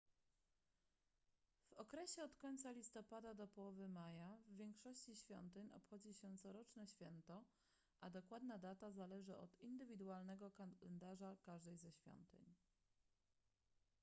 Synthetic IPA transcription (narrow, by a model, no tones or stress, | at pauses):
v̥ɔkɾɛɕɛɔt̪kɔɲt̪salʲist̪ɔpad̪ad̪ɔpɔwɔvɘmajavːʲjɛŋkʂɔɕt͡ɕiɕfʲjɔ̰nt̪ɘɲɔ̰pxɔd͡ʑiɕɛt̪sɔɾɔt͡ʂnɛɕfʲjɛnt̪ɔ | ʔad̪ɔkwad̪nad̪at̪azalɛʐɘʔɔ̰t̪ind̪ɘvʲid̪ualnɛɡɔkaɛnd̪aʐakaʐd̪ɛjzɛɕfʲjɔ̰nt̪ɘ̰ɲ